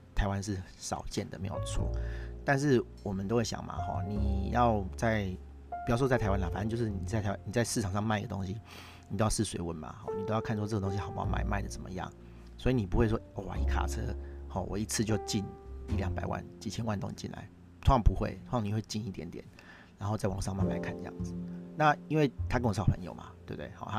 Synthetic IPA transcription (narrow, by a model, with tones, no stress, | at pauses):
t̪ʰa˧˥ɪwa˦nʂ̬ɻ̩˥˩ | ʂɑ̰˨˩ʊt͡ɕjɛ˥˩nd̪ə˩me˧˥ɪjo̰˨˩ʊt͡sʰwɔ̰˥˩t̪a˥˧nʂ̬ɻ̩˥˩wɔ˨˩mə˨nt̪o˥ʊwe˥˩ɕjɑ̰˨˩ŋma̰˨xɔ̰˥˧ni˨˩jɑ˥˨˧ʊt͡sa˥˩ɪ | pi˨˩jʊ˩ʂwɪt̪ʰa˧˥ɪa˥nla˧˩fa˨na˥˧t͡ɕjo˥˧ʊʂɻ̩˥˩ni˨t͡sa˥˩ɪa˧˥a˥ni˨˩t͡sa˥˧ɪʂɻ̩ʰ˥˩ɑ˨˩ŋʂɑ˥˧ŋma˥˩ɪi˧ɡə˧t̪o̰˥ŋɕi˦ | nni˨˩o˥ʊjɑ˥˧ʂ̩˥˩swe˧ɪwə˧˦nma̰˨˩xɔ̰˥˩n˨t̪o˥ʊjkʰa˥˨nswɔ˥ɤ˥˩ə˩t̪o˥ŋɕi˧xɑ˨˩ʊpa̰˥˧ma˥˧ɪma̰˥˩ɪd̪ə˩t͡sə̰˨˩nmə̰˦jɑ̰˥˩ŋ | swɔ˧˥i˨˧ni˨˩pu˧˦xwe˥˧ɪʂ̬ɔ˦o˥˩a̰˨˩i˨˩kʰa̰˨t͡sʰɤ̰˦hɔ˥˩wɔ̰˨˩i˧˥t͡s̩ʰ˥˧t͡ɕjo˥˧ʊt͡ɕi˥˧ni˥˩ljɑ˧˥ŋpa˨˩ɪwa̰˥˩nt͡ɕi˨˩t͡ɕʰjɛ˥nwa˥˧nt̪o˥˧ŋḭ˨˩t͡ɕi˥˩nla̰˨˧˦ɪ | t͡sʰo˥ɑ˨˦ŋpu˧˦xwḛ˥˩ɪt͡sʰni˨˩xwe˥˧ɪt͡ɕi˥˧ni˥˩t̪jɛ̰˧˦nt̪jɛ̰˨˩˦n | na˧˥nxo˥˧t͡sa˥˩wɑ̰˨˩ŋʂ̬ɑ˥˧ŋma˥˧nma˧˩ɪkʰa˥˩nd̪ə˧˦jɑ̰˥˩ŋd͡z̩˨˩na˥˩i˥nwe˥˩ɪt̪ʰa˥kə˥ŋwɕɑ˨˩ʊpʰə̰˧˦njo̰˨˩ʊma̰˨˦t̪we˥˧˩bt̪e˥˩hɑ˨˦t̪ʰa˦˥